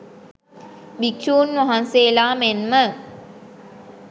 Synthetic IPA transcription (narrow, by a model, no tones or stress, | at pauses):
bikʃuːnʋaɦanseːlaːmenmə